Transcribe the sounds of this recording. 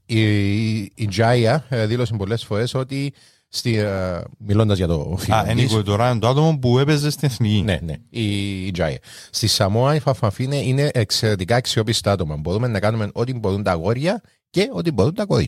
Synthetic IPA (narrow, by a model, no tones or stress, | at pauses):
iː | nd͡ʒɐiɐðilo̞sembo̞lːe̞sfo̞ɾe̞so̞t̪i | st̪imilo̞nd̪ɐzʝɐt̪o̞̰fiaenikoit̪oɾaend̪oat̪omompue̞pezːest̪ineθnicinḛnḛid͡ʒa̰ḭɐ̰ | st̪isɐmoɐifɐfːɐɱfineine̞ʔːkse̞ɾe̞t̪ikɐeksio̞pist̪ɐɐt̪o̞mɐmbo̞ɾume̞nːɐkɐnume̞no̞t̪imbo̞ɾunt̪ɐɣo̞ɾʝɐ | ce̞o̞t̪̬imbo̞ɾunt̪ɐkoðjɐ̰